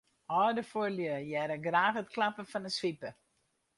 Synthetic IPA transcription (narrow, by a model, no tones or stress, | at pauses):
ʔɔːdəfoəljəjɛɾəɡraːxətklapəfɔnəsʋipə